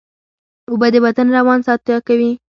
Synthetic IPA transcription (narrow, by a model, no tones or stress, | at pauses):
ubad̪əbat̪anɾawɑnsɑt̪jɑkawi